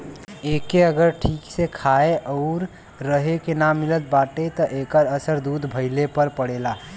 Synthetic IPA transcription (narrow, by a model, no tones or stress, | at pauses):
ekeəɡəɾʈʰiksekʰaeʔɔʊɾː | əɦekenamilət̪̚baʈet̪ɔʔekəɾəsəɾd̪ud̪ʱbʱəɪlepəɾpəɽela